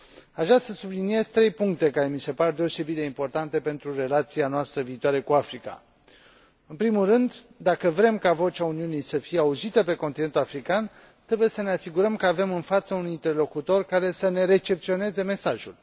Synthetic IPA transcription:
aʒasəsublinie̞zt̪ɾe̞jpuŋk̚t̪e̞kaɾe̞mise̞paɾed̪e̞o̞se̞bit̪̚d̪eimpo̞rt̪ant̪e̞pe̞nt̪ɾure̞lat̪sianoast̪ɾəviːt̪owaɾe̞kuafɾika̰ | ɨnpɾimulrɨnd̪ | d̪akəvɾe̞mkavo̞t͡ʃauniunijsəfijeauzit̪əp̬e̞kont̪ine̞nt̪ulafɾikan | t̪ɾe̞buje̞səne̞asiɡuɾəmkəave̞mɨnfat̪səunint̪e̞rlo̞kut̪o̞rkaɾe̞səne̞ɾe̞t͡ʃe̞pt̪sio̞ne̞ze̞me̞saʒul

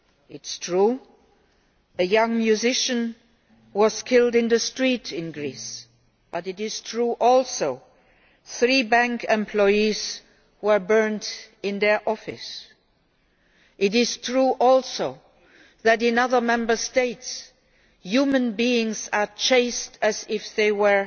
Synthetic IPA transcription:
ɪtstʰɹu | ɨjʌ̃ŋmjuzɪʃɨ̃n | wʌz̥kʰɪlˠdɨ̃nðəstɹ̥itɪ̃nɡɹis | b̥ʌɾɨɾɪz̥tʰɹuːʔɔlˠsoʊ | θɹibæ̃ŋkɛ̃mpʰl̥ɔɪiz̥ | wə˞bɜ˞ntɪ̃nðə˞ʔɔfɨ̰s | ʔɪɾɪz̥tʰɹuːʔɔlˠsoʊ | ðɨɾɪ̃nʌðə˞mɛ̃mbə˞steɪts | jumə̃nbiɪ̃ŋzə˞t͡ʃʰeɪstʰɨzɪfðeɪwə˞

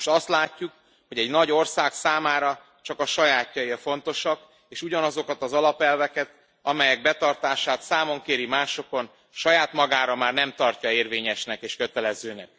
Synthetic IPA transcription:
oʃt̪ɒst̪laːcːuk | ho̞ɟɛɟnɒɟo̞rsaːksaːmaːɾɒ | t͡ʃɒkɒʃɒjaːcjɒjerfo̞n̪t̪o̞ʃɒk | eːʃuɟɒnɒzo̞kɒt̪ɒzɒlɒpɛlvɛkɛt̪ | ɒmɛjɛɡ̚bɛt̪ɒrt̪aːʃaːt̪saːmo̞ŋkeːɾimaːʃo̞ko̞n | ʃɒjaːt̪mɒɡaːɾɒmaːrnɛmt̪ɒrcɒeːrveːɲɛʃnɛkeːʃkøt̪ɛlɛzøːnɛk̚

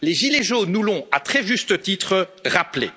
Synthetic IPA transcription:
leʒileʒonːulɔ̃at̪χɛʒyst̪ət̪it̪χəʁaplḛ

